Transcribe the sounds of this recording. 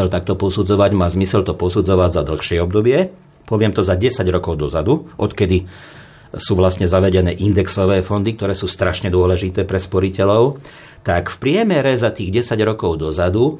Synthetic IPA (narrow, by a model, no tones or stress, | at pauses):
ɛlt̪ak̚t̪ɔpɔsud͡zɔʋaɟmaːzmisɛlt̪ɔpɔsud͡zɔʋaɟzad̪l̩xʃɪɛɔbd̪ɔbɪɛ | pɔʋɪɛmt̪ɔzaɟɛsaɟɾɔkɔʊd̪ɔzad̪uʔɔt̪kɛd̪i | suːʋlast̪ɲɛzaʋɛɟɛnɛːʔind̪ɛksɔʋɛːfɔnd̪ik̚t̪ɔɾɛːsuːst̪ɾaʃɲɛd̪ʊɔlɛʒit̪ɛːpɾɛspɔɾicɛlɔʊ | t̪akfpɾɪɛmɛɾɛzat̪iːɣɟɛsaɟɾɔkɔʊd̪ɔzad̪u